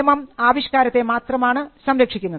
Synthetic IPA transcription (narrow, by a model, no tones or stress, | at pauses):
ɐmɐmaːʋiɕkaːɾɐt̪ːe̞maːt̪rɐmaːɳɨsɐmɾekʂikʲːunːɐðɨ